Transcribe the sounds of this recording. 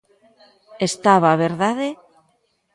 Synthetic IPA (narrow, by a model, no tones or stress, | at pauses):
est̪aβaːβeɾðaðe